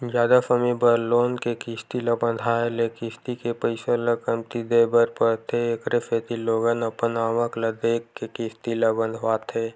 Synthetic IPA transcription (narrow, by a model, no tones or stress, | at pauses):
d͡ʒaːd̪əfəmibəɾloːnkekɪst̪ilabə̃nd̪ʱaelekɪst̪ikepəɪsaləkəmt̪id̪ebəɾpəɾt̪ʰeːkɾefʰeːt̪iloːɡənəpənaːʋəkləd̪eːkːekɪst̪ilabə̃nd̪ʱʋaːt̪ʰeː